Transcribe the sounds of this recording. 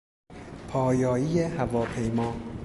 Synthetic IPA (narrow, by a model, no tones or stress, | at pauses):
pʰɒːjɒːiːjehævɒːpʰe̞jmɒː